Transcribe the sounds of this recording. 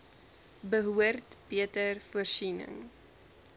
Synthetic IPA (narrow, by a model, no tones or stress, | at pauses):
bəɦuərtbiətərfuərsinə̰ŋ